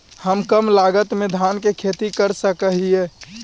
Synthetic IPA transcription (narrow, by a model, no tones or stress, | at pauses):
həmkəmlaɡət̪med̪ʱankekʰet̪ikəɾsəkəɦie